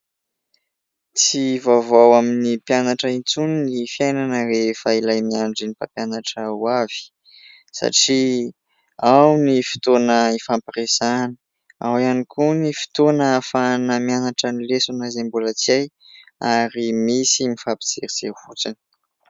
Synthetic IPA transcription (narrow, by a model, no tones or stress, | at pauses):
t͡sivavawaminipjanaʈ͡ʂəint͡suninifiajnanərefailajmiaɳɖ͡ʐinipapjanaʈ͡ʂəwav̥i̥ | sa̰ʈ͡ʂi | awnifi̥t̪onəifampiɾesani̥ | awianikʰunifi̥t̪onəfanəmianaʈ͡ʂənilesunazembulət͡siaj | aɾimisimifapi̥t͡sḛɾiz̥ḛhut͡sinə̥